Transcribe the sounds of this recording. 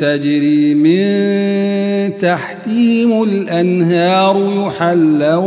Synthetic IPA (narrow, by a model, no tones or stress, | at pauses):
t̪ad͡ʒɾiːmɪn | t̪aħkiːmʊlʔanhɑːɾˤjʊħalːa